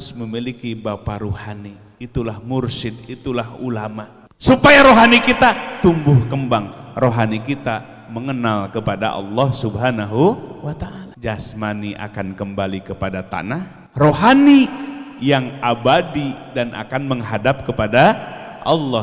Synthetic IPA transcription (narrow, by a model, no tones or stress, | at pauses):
sməmilikibapaɾohaniː | t̪ulahmʊrsɪd̪̚it̪ulahulama | supajaɾoɦanikit̪at̪umbʊhkəmbaŋroɦanikit̪a | məŋənalkəpada̰ʔɑ̰lːɔhsubɦanaɦuwat̪aʔalad͡ʒasmaniʔa̰kankəmbalikəpadat̪a̰nah | roɦanijaŋabadidanʔa̰kanməŋɦadap̚kəpadaʔɑlːɑ